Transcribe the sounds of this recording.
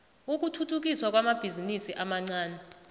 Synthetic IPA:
uk̬utʰutʰuk̬iswak̬ʼwamab̥ʱizinisiʔamaŋ͡ǀaːnɛ

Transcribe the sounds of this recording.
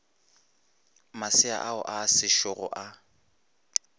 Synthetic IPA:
masɪa̰ʔaʊ̰ʔaːsɪʃʊɣʊ̰ʔa

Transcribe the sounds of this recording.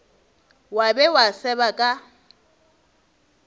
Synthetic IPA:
wabɛwasɛbakʼa

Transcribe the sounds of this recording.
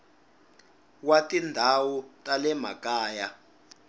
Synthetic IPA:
watʼindʱawutʼalɛma̰kʼaːja

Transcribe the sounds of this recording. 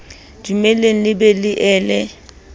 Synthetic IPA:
d͡ʒumɛleŋ̩lɪbɛlɪʔɛːlɛ

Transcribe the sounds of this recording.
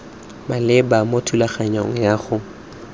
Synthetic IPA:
malɪbamotʰulaχaɲɔŋ̩jaːχʊ

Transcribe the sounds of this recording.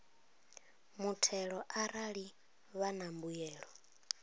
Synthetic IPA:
mutʰɛɺɔʔaɾaɺi | βanambujɛːɺɔ

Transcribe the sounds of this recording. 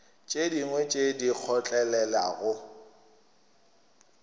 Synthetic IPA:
t͡ʃʼediŋwɛt͡ʃʼedik͡xʰɔt͡ɬʼɛlɛla̰ɣʊ

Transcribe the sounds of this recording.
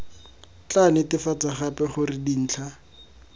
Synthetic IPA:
t͡ɬanɪtɪfat͡saχapɛχʊrɪdin̩ːt͡ɬʰa

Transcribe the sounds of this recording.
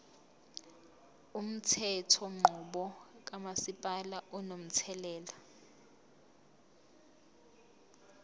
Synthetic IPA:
um̩tʰɛtʰɔŋ͡ǃʱuɓɔk̬ʼamasipʼalaʔɔnom̩tʰɛlɛːla

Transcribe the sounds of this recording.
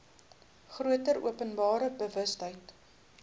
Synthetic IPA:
χruətəɾṵəpənbɑːɾəbəvəstɦəjt

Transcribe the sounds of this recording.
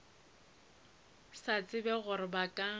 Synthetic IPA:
sat͡sʼɪbɛɣʊɾɪbakʼa

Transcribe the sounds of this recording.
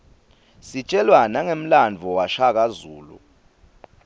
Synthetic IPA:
sit͡ʃʼɛlwanaŋem̩land͡vʱɔwaʃak̬azuːlṵ

